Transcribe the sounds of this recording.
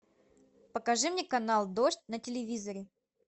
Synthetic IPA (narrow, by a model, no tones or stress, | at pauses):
pəkɐʐɨmnʲekɐnalˠd̪oʂtʲnətʲɪlʲɪvʲizəɾʲɪ